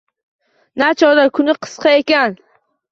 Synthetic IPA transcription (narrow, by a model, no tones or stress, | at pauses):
nat͡ʃʰɒd̪akʰʊnɪqʰɨ̥sqʰɑekʲan